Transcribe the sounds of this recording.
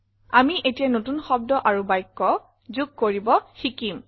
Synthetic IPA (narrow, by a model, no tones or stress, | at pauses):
amiʔetijanotunxɔb̚dɔʔaɹubajkːɔ | zuɡ̚koɹibɔxikim